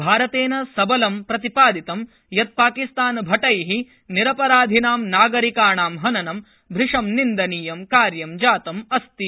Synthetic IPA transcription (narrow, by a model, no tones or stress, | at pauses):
bʱaːɾɐt̪eːnɐsɐbɐlɐmpɾɐt̪ipaːd̪it̪ɐm | jɐt̪̚paːkist̪aːnbʱɐʈɐjɦi | niɾɐpɐɾaːd̪ʱinaːmnaːɡɐɾikaːɳaːmɦɐnɐnɐm | bʱɾiʂɐmnind̪ɐniːjɐmkaːɾjɐmd͡ʒaːt̪ɐmɐst̪i